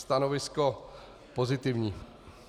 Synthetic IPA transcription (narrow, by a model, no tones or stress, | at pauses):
st̪anovɪsko | pozɪt̪ɪvɲiː